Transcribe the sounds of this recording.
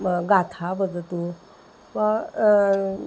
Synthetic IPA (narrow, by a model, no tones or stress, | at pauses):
ɡat̪ʰabəd͡zət̪u | ʋa